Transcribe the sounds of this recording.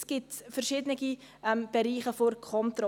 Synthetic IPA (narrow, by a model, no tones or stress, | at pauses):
sɡ̥ɪtfɛɾʃɪːdənəɡi | ʔɛmb̥ɛɾiːχəfoɾkʰɔnt̪rɔ